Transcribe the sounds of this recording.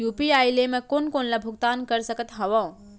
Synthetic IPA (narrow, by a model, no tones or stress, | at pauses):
juːpiaːjlemẽkonkoːnlabʱʊɡt̪aːnkəɾsəkət̪ɦɐʋã